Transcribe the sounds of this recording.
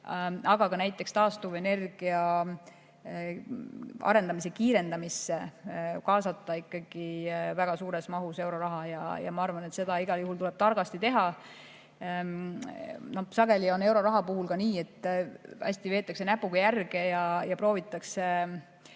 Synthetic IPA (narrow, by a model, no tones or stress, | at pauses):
ɑɡ̥ɑkɑnæjt̪ːˑe̞kst̪ɑːst̪uve̞ne̞rɡ̥iɑ | ɑ̰ɾe̞nd̪ɑmis̬e̞kiːɾe̞nd̪ɑmisːe̞kɑːsɑt̪ːˑɑikːˑɑɡ̥ivæɡ̥ɑsuːɾe̞smɑɦuse̞wɾo̞ɾɑɦɑjɑ̰jɑ̰mɑɑrvɑnet̪se̞d̪ɑiɡ̥ɑljuɦult̪ule̞b̥t̪ɑrɡ̥ɑst̪it̪e̞ɦɑ | no̞hsɑɡ̥e̞lio̞ne̞wɾo̞ɾɑɦɑpuhulkɑniːe̞t̪ːˑæ̰sʲt̪ive̞ːt̪ˑːɑksenæpːˑuɡ̥ɑjærɡ̥e̞jɑjɑpro̞ːvit̪ˑːɑkse̞